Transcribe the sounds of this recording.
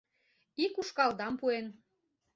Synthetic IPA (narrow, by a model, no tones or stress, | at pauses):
ikuʃkɑld̪ɑmpuen